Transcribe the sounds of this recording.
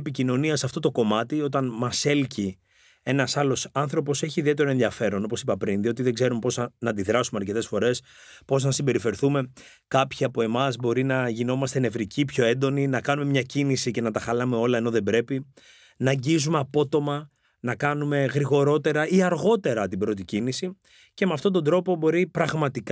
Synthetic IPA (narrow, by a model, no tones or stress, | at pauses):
picino̞niɐsɐft̪o̞t̪o̞ko̞mɐt̪io̞t̪ɐnmɐse̞lci | e̞nɐsɐlo̞sɐnθɾopo̞se̞çiðie̞t̪e̞ɾo̞enðiɐfe̞ɾo̞no̞po̞sipɐpɾinðio̞t̪iðe̞ɡze̞ɾumepo̞znɐːnd̪iðɾɐsumeɐɾce̞t̪e̞sfo̞ɾe̞s | po̞znɐsimbe̞ɾife̞ɾθume̞ | kɐpçiɐpoe̞mɐzbo̞ɾinɐʝino̞mɐst̪enevɾicipço̞e̞nd̪o̞ninɐkɐnume̞mɲɐcinisice̞nɐt̪ɐxɐlɐme̞o̞lɐe̞no̞ðe̞bɾe̞pi | nɐɲɟizumeɐpo̞t̪o̞mɐ | nɐkɐnume̞ɣɾiɣo̞ɾo̞t̪e̞ɾɐiɐɾɣo̞t̪e̞ɾɐt̪ibɾo̞t̪icinisi | ce̞meɐft̪ond̪o̞nd̪ɾo̞po̞bo̞ɾipɾɐɣmɐt̪ik